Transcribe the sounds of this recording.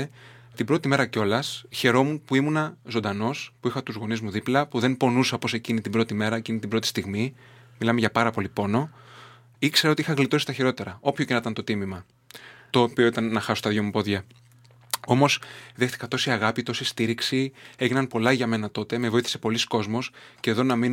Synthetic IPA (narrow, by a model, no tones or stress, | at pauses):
t̪ibɾo̞t̪ime̞ɾɐco̞lɐsçe̞ɾo̞munpuimunɐzod̪ɐno̞spuixɐt̪uzɣo̞nizmuðiplɐpuðe̞npo̞nusɐpo̞se̞cinit̪ibɾo̞t̪ime̞ɾɐecinit̪ibɾo̞t̪ist̪iɣmi | milɐme̞ʝɐpɐɾɐpo̞lipo̞no̞ | ikse̞ɾeo̞t̪iixɐɣlit̪o̞si̥t̪ɐçiɾo̞t̪e̞ɾɐo̞pçocenɐt̪ɐnt̪o̞t̪imimɐ | t̪o̞ːpio̞it̪ɐnːɐxɐsost̪ɐðʝomupo̞ðʝɐ | o̞mo̞sðext̪i̥kɐt̪o̞siɐɣɐpit̪o̞sist̪iɾiksie̞ʝinɐnpo̞lɐʝɐme̞nɐt̪o̞t̪e̞mevo̞iθi̥se̞po̞lisko̞zmo̞sce̞ðo̞nɐmin